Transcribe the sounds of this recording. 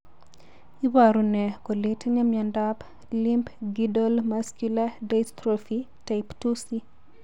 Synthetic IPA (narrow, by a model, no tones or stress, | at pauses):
ibaɾunɛkolitɲamjandap | limpɡidɔlmaskjuladajst̪ɾɔfi | tajptusi